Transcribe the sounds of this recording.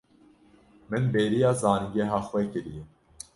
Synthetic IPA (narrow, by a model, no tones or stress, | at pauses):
mɨnbeːɾijɑːzɑːniɡɛɦɑːxwɛkɨɾijɛ